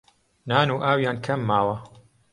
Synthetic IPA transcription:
naːnuːʔaːwjaːnkʰɐmːaːwɐ

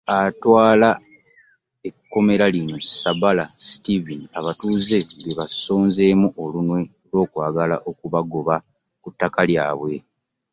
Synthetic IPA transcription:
atwaːla | ekːo̞me̞ɾalino̞sabalasi̥tiviniaβatuːze̞ɡeβaso̞ːnze̞ːmuʔo̞lunwe̞olwo̞ːkwaːɡala̰ʔo̞kuβaɡoβa | kutːakalja̰ːβwe̞

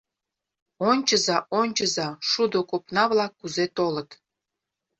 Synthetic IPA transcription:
onʲt͡ɕəzɑonʲt͡ɕəzɑʃud̪okopnɑβlɑkːuzet̪olət̪

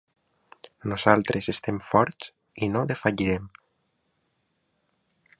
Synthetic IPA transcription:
nuzalˠt̪ɾʔezest̪emfɔɾt͡s | inoðefaʎiɾem

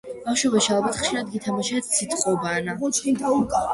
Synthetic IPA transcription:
b̥afʃwɛbɛʃialˠbat̪ʰχʃiɾad̪ɡit̪ʰamaʃɛt̪sʰit̪ʰχʼɔbana

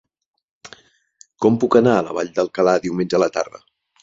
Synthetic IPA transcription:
kɔmpukənaələ̰βaʎd̪əlˠkəlaðiwmend͡ʒəələt̪a̰ɾðə̰

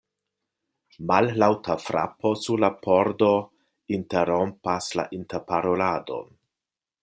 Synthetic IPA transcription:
mallawtʰafɾa̰pʰo̞suɾlapʰo̞ɾdo̞ | inteɾompasla̰ʔintepaɾolado̞̰n

